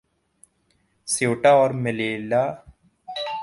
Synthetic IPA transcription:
soːʈaːɔːɾmeleːlaː

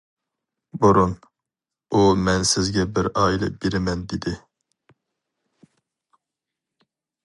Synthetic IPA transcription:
buɾun | umɛnsɪzɡʲɛbɪɾɑːilˠɛ̰beɾɪmɛnd̪ed̪ɪ

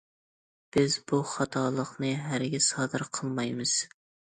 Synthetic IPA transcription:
b̥ɪzbuχɑt̪ʰɑlˠəqnɨɦæɾɡʲɛsɑːd̪ɨɾqʰəlˠmɑjmɨz̥

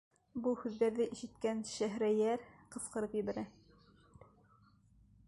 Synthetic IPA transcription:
buhʉðːæɾðɘʔiʃɘ̆t̪kænʃæɦɾæjæɾqɤ̆sqɤ̆ɾɤpjɘ̆βæɾæ

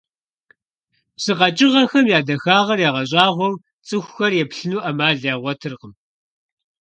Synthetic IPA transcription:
sɨqɐt͡ʃʼɪʁɐxɐmjaːdɐxaːʁɐrjaːʁɐɕʼɑːʁʷɔw | t͡sʼɨxʷxɐrjɛpɬɨnuːʔɐmaːɮjaːʁʷɔtʰɨrqəm

